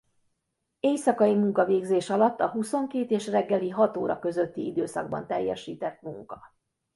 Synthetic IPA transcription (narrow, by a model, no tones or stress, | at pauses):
eːjsɒkɒjimuŋkɒveːɡzeːʃɒlɒt̪ːɒɦuso̞ŋkeːt̪eːʃrɛɡːɛliɦɒt̪oːɾɒ̰kø̞zø̞t̪ːiid̪øːsɒ̰ɡ̚bɒ̰nt̪ɛjːɛ̰ʃiːt̪ɛt̪muŋkɒ